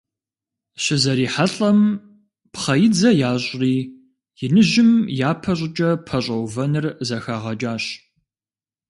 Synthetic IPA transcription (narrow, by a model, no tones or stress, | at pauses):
ɕɪzɐɾiːħaɬʼɐm | pχɐjɪd͡zɐjaːɕʼriː | jɪnɨʑɪmjaːpʰɐɕʼɪt͡ʃʼɐpʰɐɕʼɐwvɐnɨrzɐxaːʁɐt͡ʃʼaːɕ